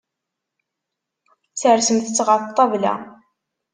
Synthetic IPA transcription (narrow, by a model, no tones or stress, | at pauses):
t͡sːəɾsəmθət͡sːʁət̪ˤːɑvlæ̰